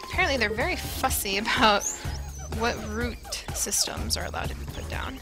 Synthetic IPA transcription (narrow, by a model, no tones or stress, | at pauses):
əpʰɛɹɨ̃nʔliðə˞vɛɹifʌsiɨbaʊt̚ | wʌt̚ɹʉt̚sɪstə̰̃mzə̰˞ɨ̰la̰ʊd̚tʰɨbipʰʊt̚d̥ã̰ʊ̃n